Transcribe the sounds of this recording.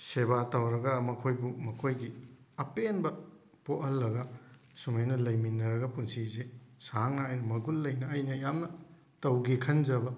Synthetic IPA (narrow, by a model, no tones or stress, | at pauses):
sebatɐwɾɐɡɐmɐkʰojbumɐkʰojɡi | ɐpenbɐ | poʔɐlːɐɡɐ | sumɐjnɐlɐjminːɐɾɐɡɐpunsizesaŋnɐːjnɐmɐɡulːɐjnɐːjnɐjamnɐ | tɐwɡikʰɐnd͡ʒɐbɐ